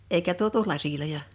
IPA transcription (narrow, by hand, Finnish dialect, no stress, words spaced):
eikæ tuotu lɑsilojɑ